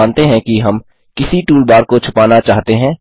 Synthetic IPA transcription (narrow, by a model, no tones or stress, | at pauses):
aːnt̪eɦɛ̃kiɦɐm | kɪsiʈuːlbaːɾkot͡ʃʰʊpaːnat͡ʃaːɦt̪eɦɛ̃ː